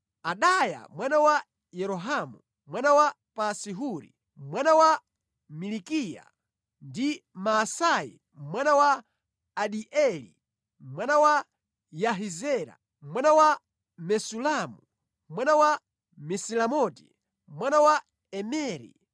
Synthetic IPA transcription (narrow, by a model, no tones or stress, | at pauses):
aɗaja̰mwanawa | jɛɾɔɦamu | mwanawa | pasiɦuɾḭ | mwanawa | milikija̰ | ndimasajḭ | mwanawaː | ɗiʔɛlḭ | mwanawa | jaɦizɛɾa̰ | mwanawa | mɛsulamu | mwanawa | mɛsilamɔti̥ | mwanawa | ɛmɛːɾḭ